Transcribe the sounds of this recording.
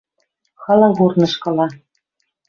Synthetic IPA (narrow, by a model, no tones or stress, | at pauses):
xɑlɑɣurnɤ̆ʃkɤ̆lɑ